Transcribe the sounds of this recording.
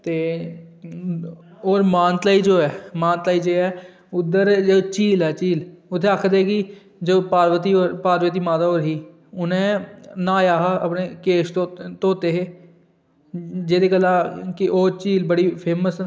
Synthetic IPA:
t̪eː | oːɾmãːnt̪aːid͡ʒoːɛːmaːnt̪aːiːd͡ʒeːɛː | ʊd̪əɾd͡ʒoːt͡ʃiːlɛːt͡ʃiːlʊt̪ʰːẽakʰd̪ekɪ | d͡ʒoːpaːɾʋət̪ioːɾpaːɾʋət̪̬iːmaːt̪aːoːɾɦiː | ʊnẽːnaːjaːɦəpneːkeːʃt̪ot̪oːt̪eːɦeː | d͡ʒeːd̪eːkəlːãːkɪʔoːt͡ʃiːlbəɽiːpʰeːməs

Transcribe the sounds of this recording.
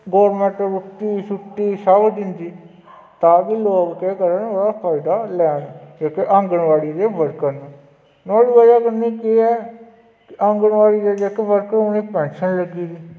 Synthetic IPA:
ɡoːɾmɛ̃ɳʈɾʊʈːiːsʊʈːiːsaːʋəd̪ɪnd̪iː | t̪aːbiːloːɡːeːkəɾənoːɽaːpʰaːɪɖaːlɛːnd͡ʒeːkeʔə̃ŋɡəɳʋaːɽiːd̪eːbəɾkən | naːɽiːʋəd͡ʒaːkəɾniːkeːɛː | kɪʔəŋɡəɳʋaːɽiːd͡ʒeːd͡ʒeːkebəɾkənoːniːpɛ̃ːnʃənləɡiːd̪iː

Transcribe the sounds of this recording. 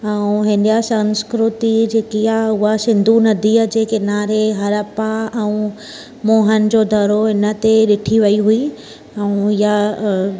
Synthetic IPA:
ɛũɦɪ̃n̆d̪ijasɐ̃ŋskɾʊt̪id͡ʑeːkijaʊɦasɪ̃nd̪ʱunɐd̪ʱiːəd͡ʑekɪnaːɾeɦɐɾəpaɛ̃ũ | moːɦən̆d͡ʑod̪ʱɐɾoɪnə̆t̪eɗɪʈʰiʋɐiɦui | ɛũɪja

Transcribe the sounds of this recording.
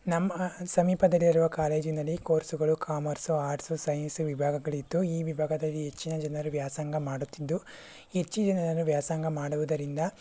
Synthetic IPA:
nɐmːɐsɐmiːpɐd̪ɐlːiɾuʋɐkaːle̞ːd͡ʒinɐlːikoːɾsuɡɐɭukʰaːmɐɾsuaːɾʈsusɐjɐnsuʋibʱaːɡɐɡɐɭit̪ːuiːʋibʱaːɡɐd̪ɐlːiɦet͡ʃːinɐd͡ʒɐnɐɾuʋjaːsaːŋɡɐmaːɽut̪ːid̪ːu | et͡ʃːid͡ʒɐnɐnɐnːuʋjaːsaːŋɡɐmaːɽuʋud̪ɐɾind̪ɐ

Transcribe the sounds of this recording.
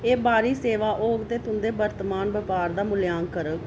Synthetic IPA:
eːbaːɾiːseːʋaːʔoːɡt̪eːt̪ʊnd̪eːbəɾt̪maːnbəpaːɾd̪aːmʊljaːŋkəɾək

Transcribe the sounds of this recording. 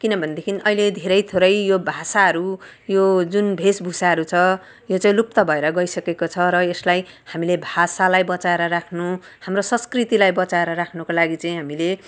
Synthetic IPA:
kinʌbʱʌnd̪ekʰiniʔʌiled̪ʱeɾʌjt̪ʰoɾʌjjobʱasaɦʌɾujod͡zunbʱesbʱusaɦʌɾut͡sʰʌ | jot͡saĩlup̚t̪ʌbʱʌeɾʌɡʌisʌkekot͡sʰʌɾʌeslajhamilebʱasalajbʌt͡saeɾʌɾakʰnu | hamrosʌ̃nskrit̪ilajbʌt͡saeɾʌɾakʰnʌkolaɡit͡saĩɦamile

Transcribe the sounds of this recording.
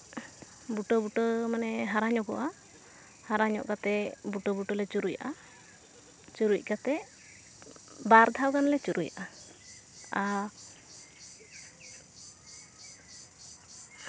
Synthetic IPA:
buʈəbuʈəmanɛɦaɾaɲɔkɔ̰ʔa | haɾaɲɔ̰ʔkat̪ɛbuʈɔbuʈəlɛt͡ʃuɾujaʔa | t͡ʃuɾuc̚ˀkat̪ɛ | baɾd̪ʱawkanlɛt͡ʃuɾuja̰ʔa | a

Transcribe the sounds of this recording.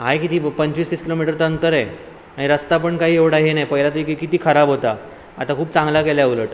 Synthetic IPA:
ɦajkit̪iːpəɲt͡ɕʋiːsiːskilomiʈəɾt̪ənt̪əɾe | aɽ̃iɾəst̪apəɳkaɦiːeʋɽaɦenajpəɦilat̪uikikit̪iːkʰəɾabʱɦot̪a | at̪akʰuːp̚t͡sãŋɡlakeljauləʈ

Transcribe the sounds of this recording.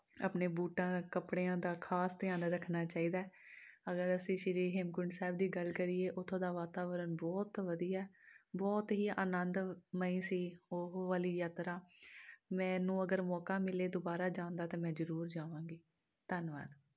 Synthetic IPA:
ə̰pneːbuːʈãːkəpɽeːãːd̪aːkʰaːst̪ɪjaːnɾəkʰnaːt͡ʃaːiːd̪aːɛəɡəɾəsĩːʃɪɾiːɦemkʊɳɖsɛːb̚d̪iːɡəlkəɾiːeːʔʊt̪ʰːõːd̪aːʋaːt̪aːʋəɾənbɔːt̪ʋəd̪iːaːbɔːt̪ɦiːa̰ːnənd̪məĩːsiːoɦʋaːliːjaːt̪ɾaː | mɛ̃ːnũːəɡəɾmɔːkaːmɪleːd̪ʊbaːɾaːd͡ʒãːnd̪aːt̪ẽːmɛ̃ːzəɾuːɾd͡ʒaːʋãːɡiː | t̪ənʋa̰ːd̪

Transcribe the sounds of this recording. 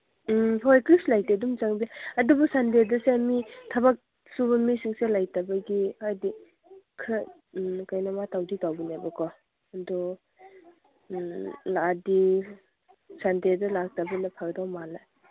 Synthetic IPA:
pʰɔjkɾislajtedumt͡ʃaŋbiaadubɔsandedɐsemitʰɐbak̚ | subɐmisiŋselajtabaɡihajdi | kʰɯ | kajnɐmatawditawbinebɐkʰɔ | ɐdɔ | ladi | sandedɐlak̚tabɐnɐpʰaɾdawmala

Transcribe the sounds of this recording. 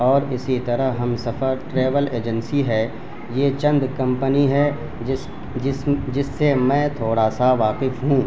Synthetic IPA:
ɔːɾɪsit̪ɐɾəɦɦɐmsɐfəɾʈɾeːʋəleːd͡ʒə̃nsiɦɛ | jeːt͡ʃɐ̃nd̪kɐ̃mpəniɦɛ | d͡ʒɪsːemɛ̃ːt̪ʰoːɽaːsaʋaːqɪfɦũː

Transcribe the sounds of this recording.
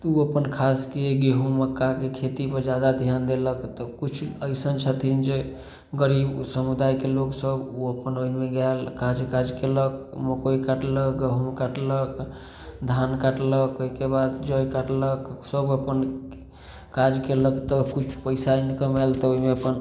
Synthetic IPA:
t̪uəpənkʰaskeɡeɦuməkːakekʰet̪ipəɾd͡ʒad̪ad̪ʱijand̪eləkt̪ɔkut͡ʃʰuəjsənt͡ʃʰət̪ʰind͡ʒe | ɡəɾibsəmud̪ajkeloksəbuəpənoimeɡalkad͡ʒkad͡ʒkeləkməkoikaʈləkɡəɦumkaʈlək | d̪ʱankaʈləkoikebad̪d͡ʒɔjkaʈləksəbəpən | kad͡ʒkeləkt̪əkut͡ʃʰu̥pəɪsaenikəmelt̪ɔoɦimeəpən

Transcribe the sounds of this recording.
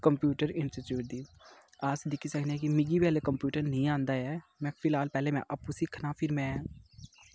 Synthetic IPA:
kəmpjuːʈəɾɪnsʈiʈjuːʈ̚d̪iː | aːsd̪ɪkʰːiːsəkʰnɛːkimɪɡiːʋɛːleːkəmpjuːʈəɾnəĩːãːnd̪aːɛːmɛ̃ːpʰɪlaːlpɛːleːmɛ̰̃ːʔəpːuːsɪkʰnaːpʰɪɾmɛ̃ː

